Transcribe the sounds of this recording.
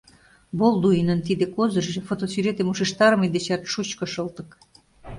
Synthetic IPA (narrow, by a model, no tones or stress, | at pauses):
bold̪uinənt̪id̪ekozə̆ʒʒĕfot̪osyɾet̪emuʃeʃt̪ɑɾə̆mid̪et͡ɕɑt̪ʃut͡ɕkŏʃɤlt̪ə̆k